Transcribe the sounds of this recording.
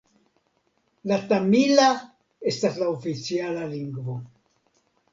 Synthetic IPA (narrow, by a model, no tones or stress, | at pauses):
lat̪amila | est̪aslaofit͡sialaliŋɡvo